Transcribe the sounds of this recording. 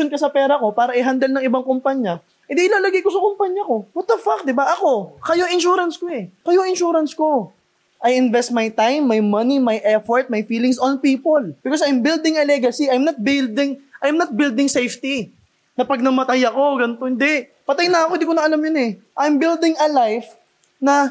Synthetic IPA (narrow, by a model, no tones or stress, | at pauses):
onkɐsɐpɛːɾɐko̞paːɾɐʔɪɦand̪ɐlnɐŋɪbaŋkʊmpaɲɐ | hɪ̃nd̪iʔɪlaːlɐɡɪjkosɐkʊmpaɲːɐko̞wɐt̪̚ːɐfak̚d̪ɪbaʔɐko̞kɐjoɪnʃuːɾɐnskoɛkɐjoɪnʃuːɾɐnsko̞ | ʔɐjɪnvɛst̪̚mɐjt̪ajmːɐjmɐnimɐjʔɛfoɹt̪̚mɐjfiːlɪŋsɔnpiːpolb̥ɪkosɐjmbɪld̪ɪŋɐlɛɡɐsiʔajmnɐt̪̚bɪld̪ɪŋʔajmnɐt̪̚bɪld̪ɪŋsejft̪i | nɐpɐɡ̚nɐmɐt̪ajɐko̞ɡɐnɪt̪o̞hɪnd̪ɛʔ | pɐt̪ɐjnɐɐkoɪnd̪ikonɐʔɐlamjonɛ | ʔajmbild̪ɪŋɐlajf | nɐ